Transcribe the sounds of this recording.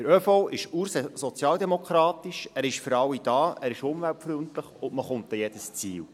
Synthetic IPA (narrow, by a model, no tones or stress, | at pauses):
d̥əɾøfoʔɪʃuɾsɛsɔt͡sjɑːld̪ɛmokʰɾɑːt̪iʃæːɾɪʃfəɾɑwːid̥ɑːʔæːɾɪʃʊmvæltfɾyəntləχʊnməχʊnt̚dɛjɛd̥əst͡siːl